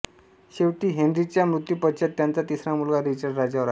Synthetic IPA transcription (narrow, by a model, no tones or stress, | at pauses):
ɕeʋʈiːɦeɳɖɾit͡ɕjamɾut̪ːiːpəɕjat̪ːjant͡sat̪isɾamulɡaɾit͡ɕəɾɖɾad͡ʑaʋəɾa